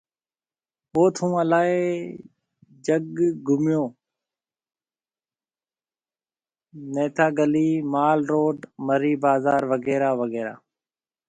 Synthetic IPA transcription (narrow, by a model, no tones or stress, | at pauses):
poːt̪ʰũːəlaːeː | d͡ʒəɡɡʱʊmjõː | neːt̪ʰaːɡəliːmaːlɾoːɖməɾiːbaːzaːɾʋəɡeːɾaːʋəɡeːɾa̰ː